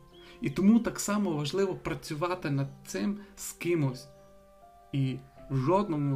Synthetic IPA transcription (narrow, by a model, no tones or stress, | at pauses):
it̪ɔmut̪ɑksɑmɔʋɐʒlˠɪʋɔpɾɐt͡sʲʊʋɑt̪ɪnɐd̪̚t̪sɪmskɪmɔsʲ | iwʒɔd̪nɔmu